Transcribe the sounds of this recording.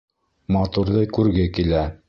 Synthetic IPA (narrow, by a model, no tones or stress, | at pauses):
mɑt̪uɾðɤkʉɾɡɘkilæ